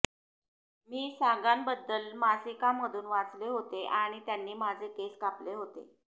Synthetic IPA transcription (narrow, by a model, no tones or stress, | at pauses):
miːsaɡambəd̪ːəlmasikamːəd̪ʱuːnʋat͡sleɦot̪eʔaɽ̃it̪janːiːmad͡zʱekeskapleɦot̪ḛ